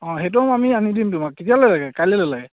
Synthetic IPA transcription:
ɔ̃ɦet̬umamianidimtʊmak̚kːitijalojlaɡɛkajlɛlɔlaɡɛ

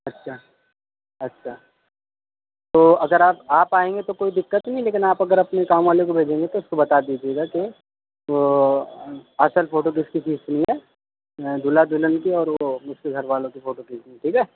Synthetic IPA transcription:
ɐtːʃʰaː | ɐtːʃʰaː | t̪oːɐɡəɾaːpaːpaːẽːŋɡet̪okoːid̪ɪkːət̪nɐɦĩleːkɪnaːpɐɡəɾɐpnekaːmʋaːlekobʱeːd͡ʒẽːŋɡet̪oʊskobɐt̪aːd̪iːd͡ʒieːɡake | ʋo | ɐsəlfoːʈok̬ɪskisiːsnĩɦɛː | d̪ʊlad̪ʊlənkiɔːɾʋomʊstɡʱɐɾʋaːlõkifoːʈokɪsiĩʈʰiːkɛː

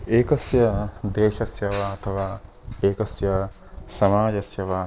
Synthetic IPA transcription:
eːkɐsjɐd̪eːʃɐsjɐʋaːɐt̪ʰɐʋaːeːkɐsjɐ | sɐmaːd͡ʒɐsjɐʋaː

